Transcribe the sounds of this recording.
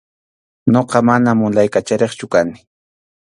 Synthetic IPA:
ɲoqɑmanamʊlajkat͡ʃaɾeχt͡ʃʊkanɪ̥

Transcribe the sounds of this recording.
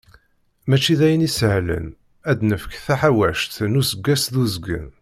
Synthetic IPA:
mæt͡ʃːiðæjənishlə̰n | æd̪nəfə̥kθæħawæʃt̪nusəɡːæsðuzɡə̰n

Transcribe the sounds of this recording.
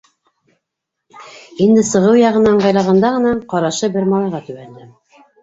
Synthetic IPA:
ind̪ɘsɤ̆ʁɤwjɑʁɤ̆nɑɴɢɑjlˠɑʁɑnd̪ɑʁɤ̆nɑɴqɑɾɑʃɤbɘɾmɑlˠɑjʁɑt̪ʉɡænd̪ɘm

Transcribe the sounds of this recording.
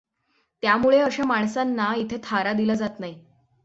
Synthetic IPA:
t̪jamuɭeəɕemaɳsanːait̪ʰet̪ʰaɾad̪iləd͡zat̪naɦi

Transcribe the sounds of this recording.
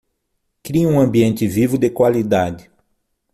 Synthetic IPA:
kɾiɐũɐ̃mbiẽnt̪ɪvivʊd̪ekwalid̪ad͡ʒɪ

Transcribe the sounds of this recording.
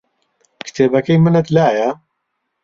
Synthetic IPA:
kʰɨ̥t̪ʰeːbɐkɐjmɨnɨt̪laːjɐ

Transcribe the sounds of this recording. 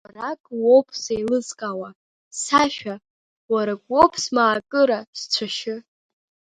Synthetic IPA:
arakʼwopʰsejlɨzkʼawa | saʃᶣa | waɾaɡʷʼo̞pʰsmaːkʼɨɾast͡ɕʷʰaʃɪ

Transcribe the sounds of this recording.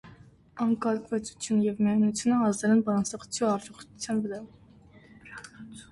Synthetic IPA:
ɑŋkɑlkʰvɛt͡sʰu̥t͡s̪ʰjunjɛvmɛnut͡sʰjunəhɑzd̪ɛlɛnbɑɾɑnsɑχu̥t͡sʰjuɑɾt͡ʃɔχuut͡sʰjɑnvəɾɑ

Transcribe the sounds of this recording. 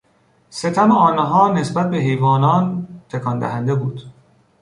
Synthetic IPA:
se̞t̪ʰæmeɒːnɦɒːne̞sbæt̪̚be̞ɦejvɒːnɒːnt̪ʰekʰɒnd̪æ̰ɦænd̪e̞buːd̪̥

